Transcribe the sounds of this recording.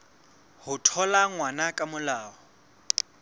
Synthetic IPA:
hʊtʰɔlaŋwanakʼamʊlaːɦɔ

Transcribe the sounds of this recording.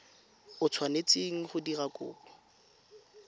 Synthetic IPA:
ʊt͡sʰwanet͡sʼeŋ̩χʊdirakʼʊ̰ːbɔ

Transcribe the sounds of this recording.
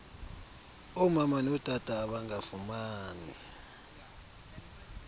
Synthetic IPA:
ɔmamanɔd̥ʱʼad̥ʱʼaːɓaŋɡafumaːnḭ

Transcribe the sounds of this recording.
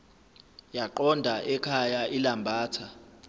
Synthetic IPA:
jaǃɔndʱaʔɛkʰajaʔilambʱaːtʰa

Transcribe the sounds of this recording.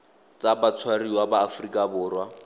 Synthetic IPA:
t͡sabat͡sʰwariwabaːfrikʼabʊːrwa

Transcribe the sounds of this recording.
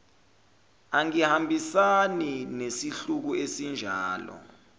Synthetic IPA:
aŋihambʱisaninesiɬuk̬uesind͡ʒʱaːlɔ̰

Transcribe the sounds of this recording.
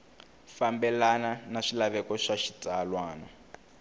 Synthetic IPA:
fambɛlananaʂilaβɛkɔʂaʃi̥tʼalwaːna

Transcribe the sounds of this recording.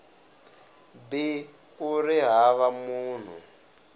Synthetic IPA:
bi | kuɾiɦaβamuːn̤ṵ

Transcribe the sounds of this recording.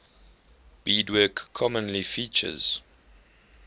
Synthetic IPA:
b̥iːdwɜkʰːɔmə̃nlifiːt͡ʃə̰z̥

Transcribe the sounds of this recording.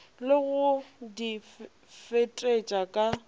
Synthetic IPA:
lɪɣʊdi | fetʼet͡ʃʼakʼa

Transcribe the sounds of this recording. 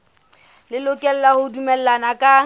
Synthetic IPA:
lɪlʊkʼɛl̩lahʊdumɛl̩lanakʼa

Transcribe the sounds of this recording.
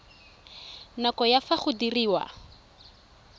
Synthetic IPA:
nakɔjafaχʊdiriːwa̰

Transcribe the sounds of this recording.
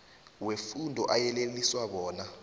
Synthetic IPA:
wefundʱɔʔajɛleliswaɓɔːna

